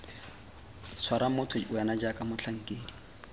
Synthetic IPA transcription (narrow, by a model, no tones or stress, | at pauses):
t͡sʰwaɾamʊtʰʊʊjanad͡ʒakʼamʊt͡ɬʰaŋ̩kʼeːdi